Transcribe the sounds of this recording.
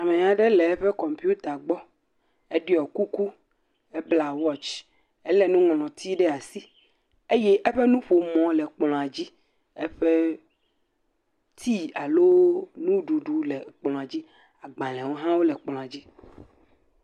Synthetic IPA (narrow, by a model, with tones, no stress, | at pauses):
a˨mẽ˨ɲa˨ɖɛ˦lɛ˨ɛ˦ɸɛ˦kɔ˨mpi˦u˦t̪a˨ɡ͡bɔ˦ | e˦ɖe˦ɔ˨ku˦ku˦ | ɛ˦bla˨wɔ˦t͡ʃ | ɛ˦lɛ˦nũ˦ŋɔ̃˨lɔ̃˨t̪ʰi˦ɖɛ˦a˨si˦ | e˦jɛ˦ʔɛ˦ɸɛ˦nũ˦ɸo˨mɔ̃˨lɛ˨k͡plɔ̃˨a˨d͡ʑi˦ | ɛ˦ɸe˦ | t̪ʰi˦a˨lo˦nũ˦ɖu˨ɖu˨lɛ˨k͡plɔ̃˨a˨d͡ʑi˦ | a˨ɡ͡bã˨lɛ̃˨wo˦ɦã˦wo˦lɛ˨k͡plɔ̃˨a˨d͡ʑi˦